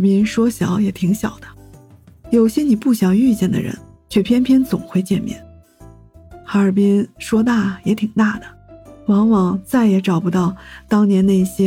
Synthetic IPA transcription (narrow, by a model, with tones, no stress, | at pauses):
pi˥nʂwɔ˥ɕjɑ˨˧˥ʊjɛ˨˩t̪ʰi˧˥ŋɕjɑ̰˨˩ʊd̪̥ə˦ | jo˨˩ʊɕjɛ˥ni˨˩pu˥˩ɕjɑ˨˩ŋy˥˧t͡ɕjɛ˥˩nd̪ə̰˩ɻə̰˧˥nt͡ɕʰɥɛ˥˩pʰjɛ˥npʰjɛ˥nt͡sʊ̰˨˩ŋxwe˥˧ɪt͡ɕjɛ˥˧nmjɛ̰˨˥˩n | xa˧˥ə˞˨˩pi˥nʂwɔ˥t̪̬a˥˩jɛ˨˧˥t̪ʰi˨˩ŋt̪a˥˩d̪ə˩wɑ˧˥ŋwɑ˧˥ŋt͡sa˥˩ɪjɛ˧˥ʈ͡ʂɑ˨˩ʊpu˧˥t̪ɑ˥˩ʊt̪ɑ˥ŋnjɛ˧˥nna˥˩ɪi˧˩ɕjɛ˥